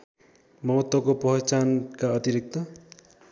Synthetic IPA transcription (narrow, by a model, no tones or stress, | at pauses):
mʌɦʌt̪wʌkopʌɦet͡sankaʌt̪iɾik̚t̪ʌ